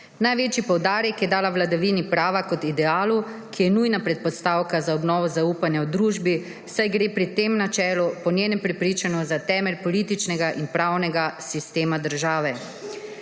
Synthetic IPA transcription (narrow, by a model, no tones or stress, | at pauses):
najʋeːt͡ʃipɔwd̪aːɾjɛkjɛd̪aːlawlad̪aʋiːnipɾaːʋakɔt̪id̪ɛaːlukʰijɛnuːjnapɾɛt̪̚pɔst̪aːwkazaɔbnɔːʋɔzauːpanjawd̪ɾuːʒbi | sajɡɾeːpɾit̪emnat͡ʃɛːlɔpɔnjeːnɛmpɾɛpɾiːt͡ʃanɔzat̪ɛːmɛlʲpɔliːt̪it͡ʃnɛɡaʔinpɾaːwnɛɡasist̪eːmad̪əɾʒaːʋɛ